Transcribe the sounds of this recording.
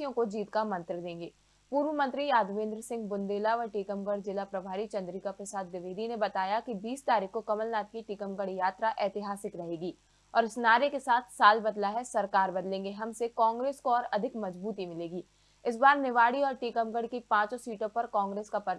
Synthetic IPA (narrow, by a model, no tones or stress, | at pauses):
jõkod͡ʒiːt̪kamɐ̃nt̪ɾəd̪ẽːŋɡeː | puːɾʋəmə̃nt̪ɾijaːd̪ʋẽːnd̪ɾəsɪ̃ŋɡbʊnd̪eːlaɔɾʈiːkəmɡəɽzɪlapɾɐbʱaːɾit͡ʃɐ̃nd̪ɾikapɾɐsaːd̪ʋɪʋeːd̪inebɐt̪aːjakibiːst̪aːɾiːkːokɐməlnaːt̪̚kiʈikəmɡəɽjaːt̪ɾaʔɛːt̪ɪɦaːsɪkɾɐɦeːɡiː | ɔːɾɪsnaːɾekesaːt̪ʰsaːlbɐd̪laɦɛsɐɾkaːɾbɐd̪lẽːŋɡeɦɐmsekãːŋɡɾeːskoɔːɾɐd̪ʱɪkmɐzbuːt̪imɪleːɡiː | ɪs̬baːɾnɪʋaːɽiɔːɾʈikəmɡəɽkipãːt͡ʃsɔ̃siːʈõpɐɾkãːŋɡɾeːskapɐ